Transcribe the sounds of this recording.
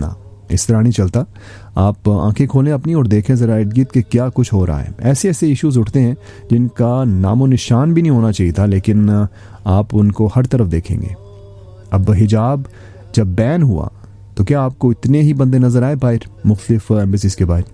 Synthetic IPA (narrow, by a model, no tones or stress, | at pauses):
na̰ː | ɪ̰st̪ɐɾanĩt͡ʃɐlt̪a | aːpã̰ːkʰẽkʰoːlẽɐpnĩɔːɾd̪eːkʰẽzɐɾaːɪɖɡiːt̪̚kekjaːkʊt͡ʃʰɦoːɾa̰ɦa̰ɦɛ̰ɛːseɛːseɪʃuːzʊʈʰt̪eɦɛ̃ | d͡ʒɪnkana̰ːmonɪʃaːnbʱinɐɦĩɦoːnat͡ʃaːɦijet̪ʰaleːkɪn | aːpʊnkohɐɾt̪ɐɾəfd̪eːkʰḛ̃ːŋɡḛː | ɐbɦɪd͡ʒaːb | d͡ʒɐbːɛːnɦua̰ | t̪okjaːp̚koɪt̪neɦibɐ̃nd̪enɐzəɾaːepaːɪɾmʊxt̪əlɪfɛ̃ːmbəs̬izkebaːɪɾ